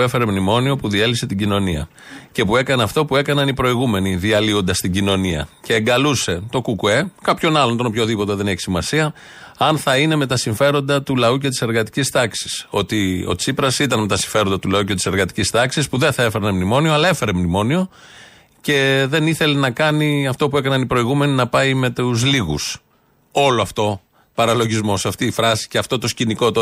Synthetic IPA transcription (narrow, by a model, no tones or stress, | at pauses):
efe̞ɾemnimo̞nio̞puðie̞lise̞t̪iɟino̞niɐ̰ | ce̞pue̞kɐneɐft̪o̞pue̞kɐnɐnipɾo̞iɣume̞niðiɐlio̞nd̪ɐst̪iɟino̞niɐ̰ce̞ːŋɡɐluse̞t̪o̞kukue̞kɐpço̞nɐlont̪onopço̞ðipo̞t̪e̞ðe̞ne̞çi̥simɐsiɐ | ɐnθɐine̞me̞t̪ɐsiɱfe̞ɾo̞nd̪ɐt̪ulɐuce̞t̪i̥se̞ɾɣɐt̪i̥cist̪ɐksi̥so̞t̪io̞̰t͡sipɾɐsit̪ɐnme̞t̪ɐsiɱfe̞ɾo̞nd̪ɐt̪ulɐuce̞t̪i̥se̞ɾɣɐt̪i̥cist̪ɐksispuðeθɐe̞feɾenemnimo̞nioɐlɐefe̞ɾemnimo̞nio̞ | ce̞ðe̞niθe̞lenɐkɐniɐft̪o̞pue̞kɐnɐnipɾo̞iɣume̞ninɐpɐime̞t̪uzliɣus | o̞loɐft̪o̞ | pɐɾɐlo̞ʝizmo̞sɐft̪iːfɾɐsi̥ceɐft̪o̞t̪o̞sciniko̞t̪o